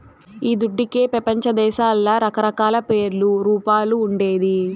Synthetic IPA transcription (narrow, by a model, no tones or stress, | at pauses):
iːd̪uɖːikeːpɾɐpɐɲt͡ʃɐd̪ɛːʃaːlːɐɾɐkɐɾɐkaːlɐpe̞ːɾluɾuːpaːluːɳɖe̞ːd̪i